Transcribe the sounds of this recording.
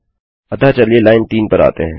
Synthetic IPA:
ɐd̪at͡ʃɐlielaːɪnt̪iːnpɐɾa̰ːt̪ḛɦɛ̃ː

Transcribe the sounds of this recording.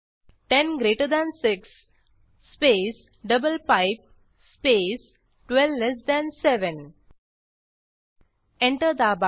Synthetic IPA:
ʈẽnɡɾeːʈəɾd̪æ̃nsɪksː | peːs | ɖʌbəlpaɪp̚ | speːs | ʈwɛlʋles̬d̪æ̃nseʋə̃n | ɛ̃ɳʈəɾd̪əaba

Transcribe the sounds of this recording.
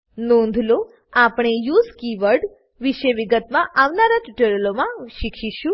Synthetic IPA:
nond̪ʱlo | apɽ̃ejuːd͡zkiʋəɾɖ | ʋiɕejʋiɡət̪maʔaʋnaɾat̪iʈoɾelomaɕikɕiɕu

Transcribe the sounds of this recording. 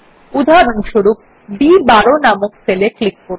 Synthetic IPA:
ud̪ʱaɾonʃoɾup̚ | bibaɾonamokfeleklikːo

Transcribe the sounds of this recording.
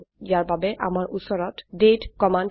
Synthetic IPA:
ijaɹbabɛʔa̰maɹʔusɔɹɔtdetkɔmand

